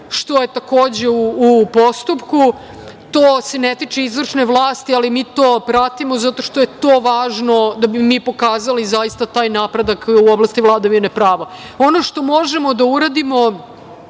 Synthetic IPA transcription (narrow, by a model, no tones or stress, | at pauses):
ʃt̪o̞jet̪ako̞ːd͡ʑeuːpo̞st̪upku | t̪oːse̞net̪it͡ʂeizʋr̩ʂneʋlˠaːst̪ialimiːt̪oːpɾat̪imo̞zat̪o̞ʃt̪o̞je̞t̪o̞ːʋaːʒno̞d̪abimiːpo̞kaːzalizajist̪at̪aːjnapɾed̪akuoblˠast̪iʋlˠad̪aʋinepɾaːʋa | o̞no̞ʃt̪o̞mo̞ʒemod̪auɾad̪imo̞